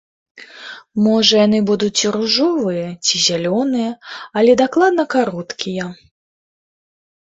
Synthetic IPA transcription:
mɔʐɐjan̪ɨbud̪uiɾuʐɔvɨjɐt͡sʲizʲalʲɔnɨjɐɐlʲɛd̪aklˠad̪̚nɐkaɾɔt̪kʲijɐ

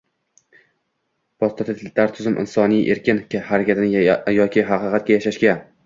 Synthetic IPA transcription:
pʰɒst̪ɒt̪ʰɪt̪laɾt̪ʰʊzɪmʔɪ̰nsɒnijʔe̞ɾkʲɪnkʲahaɾakʲʰat̪ɪnɪjɒkʲɪɦɑqʰɨqʰɑt̪̚ɡʲajaʃaʃɡʲa

